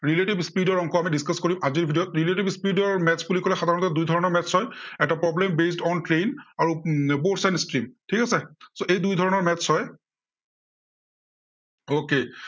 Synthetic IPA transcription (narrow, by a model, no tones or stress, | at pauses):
ɹileʈibspidɔɹɔŋkɔamidiskaskoɹimʔaziɹbʱidijɔt̚ɹiletibspidɔɹmɛtsbulikɔlɛxadʱaɹɔnɔtɔdujdʱɔɹɔnɔɹmɛtsɔjɛtapɹɔblembes̬tɔntɹejnaɹubosanstɹimtʰikasɛsoʔejdujdʱɔɹɔnɔɹmɛshɔj | oke